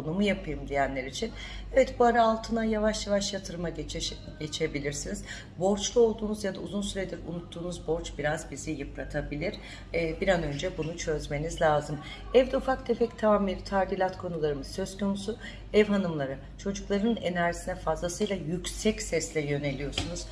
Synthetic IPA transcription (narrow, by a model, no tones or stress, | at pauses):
onumujapʰɯjɯmd̪ijænlʲeɾit͡ʃʰin | ɛvɛt̪buaɾaːlˠt̪ʰɯnajavaʃjavaʃjat̪ʰɯɾma | ɟe̞t͡ʃʰe̞bilʲiɾsiniz̥ | bo̞ɾt͡ʃlˠuo̞lˠd̪uːnuzjad̪auzunsyɾed̪iɾṵnut̪ʰːuːnuzbo̞ɾt͡ʃbiɾazbizijɯpɾat̪ʰabilʲiɾ̥ | biɾanø̞nd͡ʒɛbunut͡ʃʰø̞zme̞nizlʲaːzɯm | ɛvd̪ɛufakd̪ʰe̞fɛct̪ʰaamiɾt̪ʰaɾd̪ilʲat̪kʰo̞nulˠaɾɯmɯzsø̞z̥kʰo̞nusu | ɛvɦanɯmlˠaɾɯ | t͡ʃʰo̞d͡ʒuklˠaɾɯɯnḛnæɾʒisinɛfazlˠasɯjlˠajycsɛcsɛslʲɛjø̞ne̞lʲijo̞sunuz̥